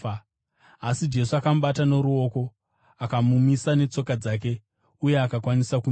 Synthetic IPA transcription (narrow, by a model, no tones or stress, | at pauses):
asid͡ʒe̞suakamuɓatano̞ɾuo̞ːko̞ | akamumisane̞t͡so̞kad͡zaːk̬e̞ | uje̞akakwanisaku